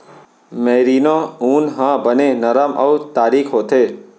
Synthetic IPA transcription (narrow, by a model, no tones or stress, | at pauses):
meɾinoũːnɦãbənenəɾamʔə̰wt̪aːɾikʰɦot̪ʰe